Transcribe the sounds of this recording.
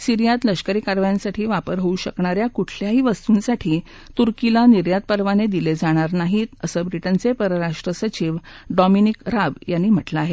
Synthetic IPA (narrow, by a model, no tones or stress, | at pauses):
siɾijat̪ləɕkəɾiːkaɾʋjansaʈʰiːʋapəɾɦouɕəkɳaɾjakuʈʰljaɦiːʋəst̪uːnsaʈʰiː | t̪uɾkilaniɾjad̪̚pəɾʋaned̪iled͡zaɽ̃aɾnaɦit̪əsəːbɾiʈənt͡sepəɾəɾaʂʈɾəsət͡ɕiʋɖɔminikɾaʋjanːiːm̤əʈlaːɦe